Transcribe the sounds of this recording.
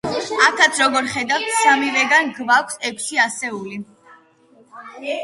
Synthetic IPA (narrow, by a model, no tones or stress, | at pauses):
akʰat̪sʰɾɔɡɔɾχɛd̪aft̪ʰsamivɛɡanɡvakʷʰsɛkʷʰsiasɛuli